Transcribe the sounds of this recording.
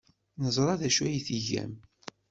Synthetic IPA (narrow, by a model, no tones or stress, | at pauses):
nəzˤɾˤɑðæʃwæjθiʝæ̰m